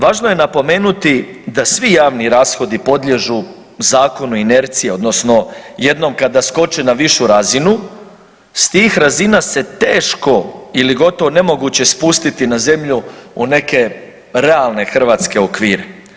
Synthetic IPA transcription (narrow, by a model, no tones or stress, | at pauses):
ʋaːʒnoje̞napo̞me̞ːnut̪i | d̪asʋijaːʋniɾaːsxo̞d̪ipo̞d̪ʎʲe̞ʒu | zaːko̞nuine̞ɾt̪sije̞o̞d̪no̞sno̞je̞d̪no̞mkad̪asko̞t͡ʃenaʋiʃuɾazinu | st̪iːxɾazinase̞t̪e̞ːʃko̞iliɡo̞t̪o̞ʋone̞mo̞ɡut͡ɕe̞spust̪it̪inaze̞mʎuune̞ke̞ | ɾe̞alˠne̞xr̩ʋaːt̪ske̞okʋiːɾe̞